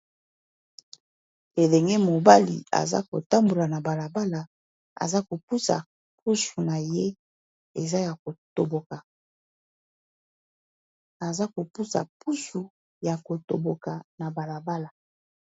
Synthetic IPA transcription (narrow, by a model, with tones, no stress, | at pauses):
e˨lɛ˨ŋɡɛ˦mo˨ba˦lḭ˨a̰˨za̰˦ko̰˨ta˦mbo˨la˨na˨ba˨la˨ba˦la˨ | a̰˨za˦ko˨pu˦sa̰˨ | p̚ʰu˦ʃu˨na˨je˦ | e˨za˦ja˨ko˨to˨bo˨ka˨ | a˨za˦ko˨pu˦sa̰˨pu˦ʃu˨ | ja˨ko˨to̰˨bo˨ka˨na˨ba˨la˨ba˦la˨